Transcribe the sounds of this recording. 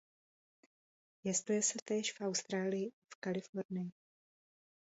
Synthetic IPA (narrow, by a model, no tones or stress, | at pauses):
jɛst̪ujɛsɛt̪ɛːʃfʔawst̪ɾaːlɪjɪ | fkalɪfoɾnɪjɪ